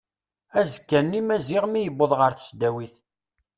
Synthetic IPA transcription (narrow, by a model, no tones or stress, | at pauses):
æzəkːænːimæziʁmijəboðˤʁəɾθə̥sd̪æwiθ